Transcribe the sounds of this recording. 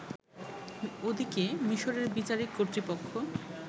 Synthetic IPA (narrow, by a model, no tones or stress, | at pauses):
od̪ikemiʃoɾeɾbit͡ɕaɾikkoɾt̪ɾipokʰːo